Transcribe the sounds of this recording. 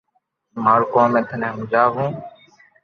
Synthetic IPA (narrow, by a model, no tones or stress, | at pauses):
maːɽkõːmẽːt̪ʰənẽːɦʊmd͡ʒaːɦũː